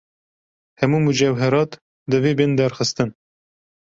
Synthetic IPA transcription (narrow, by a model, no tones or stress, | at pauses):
hɛmuːmud͡ʒɛwɦɛɾɑːt̪ | d̪ɨveːbend̪æɾxɨst̪ɨn